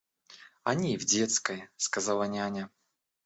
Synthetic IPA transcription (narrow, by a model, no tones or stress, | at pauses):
ɐnʲivdʲe̞t̪skəjəskɐzalˠɐnʲanʲa